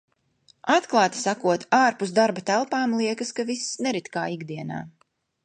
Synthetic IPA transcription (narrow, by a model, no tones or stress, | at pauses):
at̪klˠaːt̪i̥sakuɔt̪aːɾpusd̪aɾbat̪ælˠpaːmlˠiɛkaskavisːnɛɾit̪kaːiɡd̪iɛna̰ː